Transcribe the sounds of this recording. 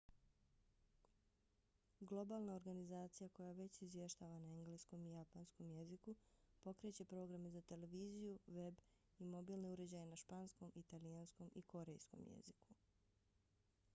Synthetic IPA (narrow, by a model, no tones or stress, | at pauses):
ɡlˠo̞baːlˠnao̞ɾɡanizaːt̪sijako̞jaʋe̞t͡ɕizʋje̞ʃt̪aːʋanaeŋɡlesko̞mijapansko̞mje̞zikupo̞kɾe̞t͡ɕe̞pɾo̞ːɡɾamezat̪e̞le̞ʋiːzijuʋe̞b | imo̞biːlˠne̞uɾe̞d͡ʑaje̞naʃpaːnsko̞mʔit̪alijansko̞mʔikʰo̞ɾe̞jsko̰mjḛziku